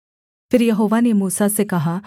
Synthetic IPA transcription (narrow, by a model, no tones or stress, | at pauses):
pʰɪɾjɐɦoːʋanemuːsasekɐɦaː